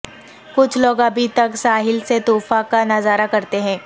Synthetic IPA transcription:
kʊt͡ʃʰloːɡɐbʱit̪ɐksaːɦɪlset̪uːfakanɐzaːɾakɐɾt̪eɦɛ̃ː

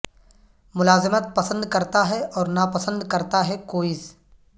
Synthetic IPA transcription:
mʊlaːzɪmət̪̚pɐsə̃nd̪kɐɾt̪aɦɛɔːɾnapɐsə̃nd̪kɐɾt̪aɦɛkoːɪs

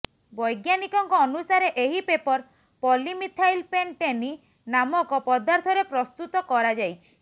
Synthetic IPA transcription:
bɔjɡjanikɔŋkɔːnusaɾeʔeɦipepɔɾ | pɔlimit̪ʰajlpeɳʈeni | namɔkɔpɔd̪aɾt̪ʰɔɾepɾɔst̪ut̪ɔkɔɾad͡ʒajt͡ʃʰi̥

